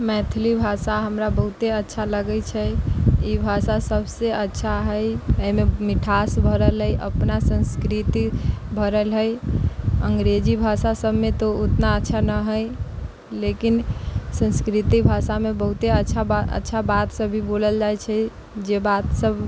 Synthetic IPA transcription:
mɛt̪ʰlibʱasaɦəmɾabəɦut̪eətːʃʰaləɡəjt͡ʃʰɛibʱasasəbseətːʃʰaɦəjəimemiʈʰasbʱəɾəlɦəjʔə̰pnasə̃nskɾit̪ibʱəɾəlɦəj | əŋɡɾed͡ʒibʱasasəbmet̪oot̪naətːʃʰanəɦəj | lekinsə̃nskɾit̪ibʱasamebəɦut̪eətːʃʰaə̰tːʃʰabat̪səbʱiboləld͡ʒajt͡ʃʰɛd͡ʒebat̪səb

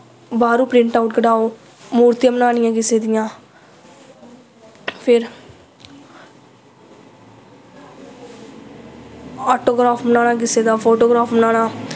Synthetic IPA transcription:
baːɾũːpɾɪ̃ɳʈaːʊʈkəɖaːoː | muːɾt̪ɪjãːmbənaːnɪjãːk̬ɪseːd̪ɪjãː | pʰɪɾ | ɔːʈoːɡɾaːpmnaːnãːk̬ɪseːd̪aːpʰoːʈoːɡɾaːpʰmənaːnãː

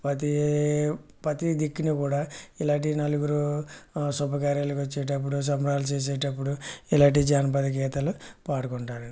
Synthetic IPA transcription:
pɐt̪i | pɐt̪id̪ikːinikuːɽaːilaːʈ̬inɐluɡuɾu | sɔbɐkaːɾjalukʋɐt͡ʃːɛːʈɐp̬ːuɽus̬ɐmɾaːlut͡ʃeːs̬ɛːʈɐpːuɽuilaːɳʈid͡ʒaːnɐpɐd̪ɐk̬ɛːt̪ɐlupaːɽukoɳʈaːɾɐi

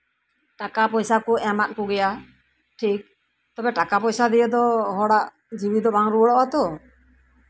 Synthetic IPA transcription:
ʈakapɔjsakɔɛmat̪̚kuɡɛja | ʈʰik̚ | t̪ɔbɛʈakapɔjsad̪ɛjəd̪ɔɦɔɽaʔ | d͡ʒibid̪ɔbaŋɾuɔɽɔʔat̪ɔ

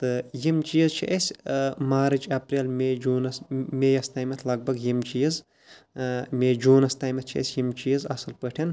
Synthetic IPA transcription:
t̪ɨjimt͡ʃijizt͡ʃʰḭʔesʲmaːɾɨt͡ʃɐpɾʲelmed͡ʒuːnɐsmʲejɐst̪aːjmʲɐt̪ʰlɐɡ̚bɐɡjimt͡ʃijiz | mʲeːd͡ʒuːnɐst̪aːjmʲɐt̪̚t͡ʃʰḭɐ̰sʲjimt͡ʃiizɐsɨlpɨʈʰɐn

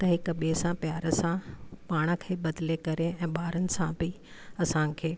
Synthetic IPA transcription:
t̪ɐɦɪkɐɓesãpjaːɾəsãpaːɽ̃ə̆kʰeːɓɐd̪ɪlekɐɾeɛ̃ːɓaːɾənɪ̆sãbʱɪ | ɐsãkʰeː

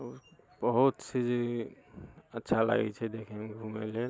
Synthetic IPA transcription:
bəɦut̪sid͡ʒ | ətːʃʰala̰ɡɛ̰t͡ʃʰɛd̪ekʰɛmɡʱumele

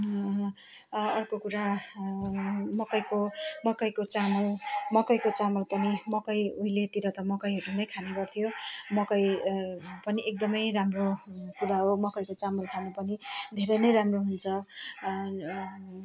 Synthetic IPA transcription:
ʌrkokuɾa | mʌkʌjkomʌkʌjkot͡samʌlmʌkʌjkot͡samʌlpʌnimʌkʌjuilet̪iɾʌt̪ʌmʌkʌjɦʌɾunʌjkʰaneɡʌrt̪ʰijomʌkʌj | pʌniʔek̚d̪ʌmʌjramrokuɾaɦomʌkʌjkot͡samʌlkʰanepʌnid̪ʱeɾʌjnʌjɾamroɦunt͡sʰʌ

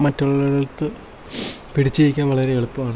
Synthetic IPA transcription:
mɐtːuɭːɐðɐlt̪ːɨ | piɽit͡ɕːejikʲːaːnʋɐɭɐɾeeɭupːɐmaːɳ

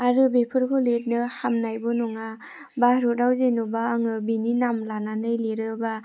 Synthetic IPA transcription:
aɾɯbepʰɯɾkʰɔlet̚nɯhamnajbɔnɔŋa | baɾodawzenɔbaːŋɯbininamlananɯjleɾɯba

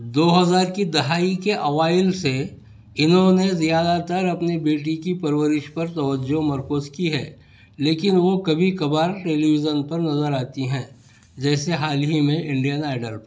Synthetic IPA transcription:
d̪oːɦɐzaːɾkid̪ɐɦaːikeʔɐʋaːɪlse | ɪnɦõnezijaːd̪at̪əɾɐpnebeːʈ̬ikipɐɾwəɾɪʃpɐɾt̪ɐʋəd͡ʒomɐɾkʊːzkiɦɛː | leːkɪnʋokɐbʱikɐbaːɾʈeːliʋɪd͡ʒənpɐɾnɐzəɾaːt̪iɦɛ̃ː | d͡ʒɛːseɦaːlɦimẽʔɪ̃ɳɖijənaːɪɖəɾp

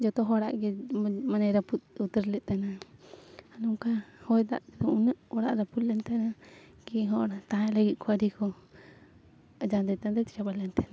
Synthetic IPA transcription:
d͡ʒɔt̪ɔɦɔɽa̰ʔɡɛmanajɾaput̪̚ut̪əɾlɛʔ̚t̪ana | nuŋkahɔjd̪a̰ʔd̪ɔunəʔɔɽa̰ʔɾapullɛnt̪ɛna | kiɦɔʔɾat̪aãlaɡit̪̚kʰuaɾikʰɔ | d͡ʒand̪ɛt̪and̪ɛt̪i̥t͡ʃabalɛnt̪ɛna

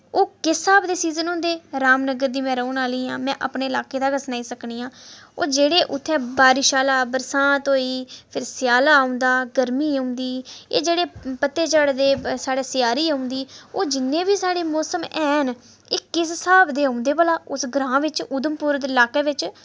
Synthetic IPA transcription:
oːkɪsaːbd̪eːsiːzənɦõːnd̪eːɾaːmnəɡəɾd̪iːmɛ̃ːɾəunaːliːãːmɛ̃ːʔa̰pɳeːɪlaːkeːd̪aːɡəsnaːiːsəkniːãːo̰ːd͡ʒeːɽeːʔʊt̪ʰːɛːbaːɾiʃaːlaːbəɾsãːt̪ɦoːiːpʰɪɾsjaːlaːʊ̃nd̪aːɡəɾmiːə̃ʊ̃nd̪iːḛːd͡ʒeːɽeːpət̪ːeːt͡ʃaːɽd̪eːsaːɽeːsɪjaːɾiːaʊ̃nd̪iːoːd͡ʒɪnːẽːbiːsaːɽeːmɔːsəmɛːn | ɪːkɪssaːbd̪eːɦəʊ̃nd̪eːpəlaːʊsɡɾãːʋɪt͡ʃʊd̪əmpʊːɾd̪ɪlaːkeːʋɪt͡ʃ

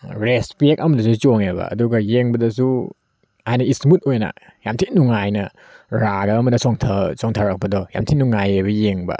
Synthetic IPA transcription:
ɾespiekɐmɐdɐsut͡ʃoŋebɐ̰ɐ̰duɡɐjeŋbɐdɐsu | hajnɐistmut̚ojnɐ̰ | jamtʰinuŋajnɐ | ɾaɡɐːmɐdɐsoŋtʰɐsoŋtʰɐɾɐk̚pɐdɔja̰mtʰinuŋajebɐjeŋbɐ̰

